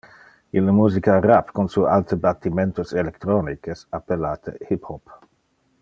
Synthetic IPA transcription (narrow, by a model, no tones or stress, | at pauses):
ilːəmuːzikarapkonsualt̪əbat̪ːimɛnt̪oselekt̪ɾɔnikesapːelaːt̪ʰə̰hiphɔp